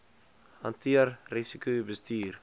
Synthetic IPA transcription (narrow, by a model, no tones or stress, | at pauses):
ha̰ntʰiəɾrisikybəstʰyːɾ